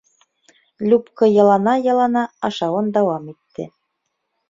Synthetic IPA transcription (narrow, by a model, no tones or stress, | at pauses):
lʲupkɤjɑlˠɑnɑjɑ̆lˠɑnɑɑʃɑwɤnd̪ɑwɑmit̪ːɘ̰